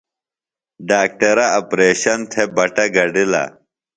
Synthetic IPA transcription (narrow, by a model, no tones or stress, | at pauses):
ɖaːk̚ʈɐɾɐɐpɾeːɕɐnt̪ʰebɐʈɐɡɐɖilɐ̰